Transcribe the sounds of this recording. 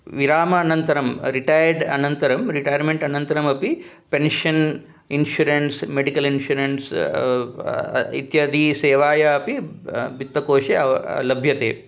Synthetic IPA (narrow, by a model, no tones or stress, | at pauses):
ʋiɾaːmɐːnɐnt̪ɐɾɐmɾiʈajɐɾɖɐnɐnt̪ɐɾɐmɾiʈajɐɾmeɳʈɐnɐnt̪ɐɾɐmɐpi | penʃɐn | inʃuɾensmeɖikɐlinʃuɾens | ḭt̪jɐd̪iseːʋaːjɐɐpibit̪ːɐkoːʃeɐlɐbʱjɐt̪eː